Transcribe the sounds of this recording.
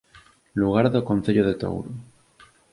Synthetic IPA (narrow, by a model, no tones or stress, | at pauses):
luɣ̞aɾðokonθeʎoð̞et̪o̰wɾu